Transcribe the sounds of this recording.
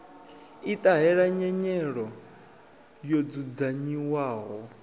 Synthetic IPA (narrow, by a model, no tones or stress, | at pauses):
it̪ʼaɦɛɺaɲɛɲɛɺɔ | jod͡zud͡zaɲiwaːɦɔ